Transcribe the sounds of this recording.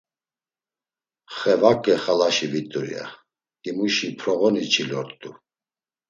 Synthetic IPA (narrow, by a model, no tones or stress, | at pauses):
χɛvakʼɛχalaʃivit̪ʼuɾḭa̰ | d̪ʼimuʃipʰɾɔɣɔnit͡ʃʰilɔɾt̪ʼu